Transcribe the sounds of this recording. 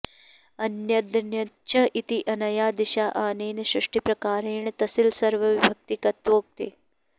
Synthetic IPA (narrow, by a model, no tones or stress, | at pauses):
ɐnjɐd̪njɐʃʰɐʔit̪iʔɐnɐjaːd̪ɪʃaːʔaːneːneʃɾɪʂʈipɾɐkaːɾeːɳ̃t̪ɐsilsɐɾʋɐʋibʱɐk̚t̪ikɐt̪ʋoːk̚t̪eː